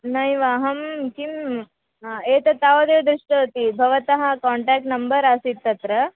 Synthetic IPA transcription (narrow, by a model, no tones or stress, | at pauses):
nɐjʋaːɦɐmkim | eːt̪ɐt̪aːʋɐd̪eːd̪ɾuʂʈot̪ibʱɐʋɐt̪ɐɦɐkaːɳʈaːk̚ʈnɐmbɐɾaːsit̪ːɐt̪ɾɐ